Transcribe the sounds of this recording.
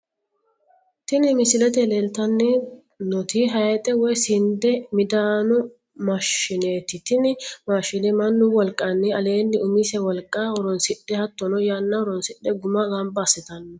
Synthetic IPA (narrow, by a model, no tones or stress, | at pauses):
t̪ɪnɪmɪsɪlɛt̪ɛlelt̪ɐnːɛ | nɔt̪ɪɦɐjɛt̪ʼɛwɔjsɪnd̪ɛmɪd̪aːnʊ | mɐʃːɪneːt̪ɪt̪ɪnɪmaːʃɪnɛmɐnːʊwɔlkʼːɐnːɛɐle̞ːnːɪʊmisɛwɔlkʼːawɔɾɔnsɪɗɛhɐt̪ːɔnɔjanːɐɔɾɔnsɪɗɛɡʊmaɡɐmbɐːsɪt̪ɐnːɔ